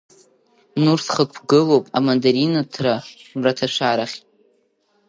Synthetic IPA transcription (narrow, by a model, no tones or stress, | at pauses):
nursχəkʷʰɡɨlowpʼamandaɾinatʰramratʰaʃʷaɾaχʲ